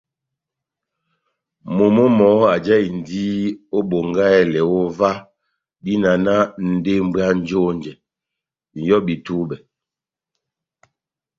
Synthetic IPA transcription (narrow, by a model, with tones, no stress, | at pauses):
mo˨mo˦mɔ˨˦a˨d͡ʒɛ˦i˨n˨di˦o˦bo˨ŋɡa˦ɛ˦lɛ˨o˦va˦ | bi˦na˨na˦n̩˨de˦m˦bɰa˦n˦d͡ʒo˦n˨d͡ʒɛ˨ | n̩˨jɔ˦bi˨tu˦bɛ˨